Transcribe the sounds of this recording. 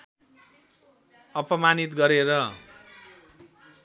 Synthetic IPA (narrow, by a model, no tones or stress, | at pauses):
ʌpʌmanit̪ɡʌɾeɾʌ